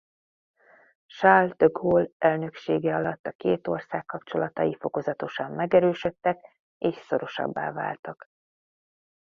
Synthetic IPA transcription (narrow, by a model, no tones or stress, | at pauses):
ʃald̪̥øɡoːlʔɛlnø̞kʃeːɡɛɒlɒt̪ːɒkeːt̪o̞rsaːkːɒpt͡ʃo̞lɒt̪ɒjifo̞ko̞zɒt̪o̞ʃɒmːɛɡɛɾøːʃø̞t̪ːɛk | eːʃso̞ɾo̞ʃɒ̰bːa̰ːva̰ːlt̪ɒk